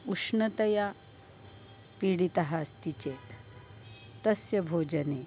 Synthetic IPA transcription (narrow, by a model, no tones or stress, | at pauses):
ukʂɳət̪ɐja | piɽit̪aɦast̪it͡ɕet̪ː | əsjɐbʱod͡ʑəne